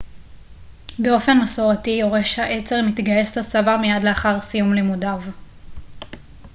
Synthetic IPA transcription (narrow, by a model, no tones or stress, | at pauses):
be̞o̞fe̞nmaso̞ʁatijo̞ʁeʃhaʔe̞t͡se̞ʁmit̪ɡaje̞slasavamejadleaχaʁsijumlemudav